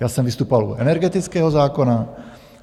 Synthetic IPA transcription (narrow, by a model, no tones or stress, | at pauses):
jaːsɛmvist̪uːpovalṵɛnɛɾɡɛt̪it͡skɛːɦɔzaːkona